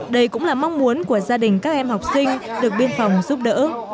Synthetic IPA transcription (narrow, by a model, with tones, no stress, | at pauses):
ɗə˧jkʊ̰˧˥ŋ͡mlaː˨˩ma˧wŋ͡mmu˨˦ənku˧˩əzaː˧ɗï˨˩ŋ̟kaː˦˥k̚ʔɛ˧mɦa˨˩wk͡p̚sï˧ŋ̟ɗɨ˨˩ək̚ɓi˧ənfa˨˩wŋ͡mzu˦˥p̚ɗə̰ː˧˥